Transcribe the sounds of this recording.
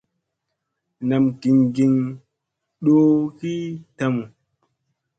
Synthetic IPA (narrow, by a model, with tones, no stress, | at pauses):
na˨mki˨ŋɡi˧ŋ | ɗo˦ki˦ta˦mu˨